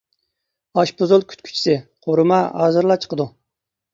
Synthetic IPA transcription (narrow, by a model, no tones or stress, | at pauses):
ɑʃpozulˠkʲʰy̥t̪kʲʰy̥t͡ʃʰi̥sɪqʰoɾɨmɑɦɑ̰ːzɨɾlˠɑt͡ʃʰə̥qʰəd̪u